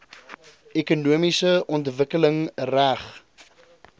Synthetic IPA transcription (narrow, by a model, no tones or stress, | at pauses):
ʔekunuəmisəʔɔntvəkələŋræχ